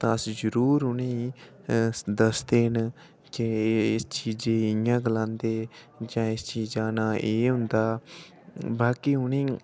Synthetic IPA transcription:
t̪ãsd͡ʒəɾuːɾɦʊniː | d̪əsd̪eːn | keɪst͡ʃiːd͡ʒẽːɪjãːɡlãːnd̪eː | d͡ʒãːɪst͡ʃiːd͡ʒaːnaːʔeːɦʊnd̪aː | baːkiːʊniː

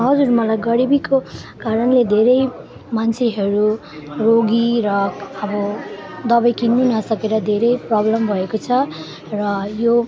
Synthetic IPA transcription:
ɦʌd͡zurmʌlajɡʌɽibikokaɾʌnled̪ʱeɾʌj | mant͡sʰeɦʌɾu | roɡiɾʌʌbʌd̪ʌbʌjkinːunʌsʌkeɾʌd̪ʱeɾʌjprʌblʌmbʱʌekot͡sʰʌ | rʌjo

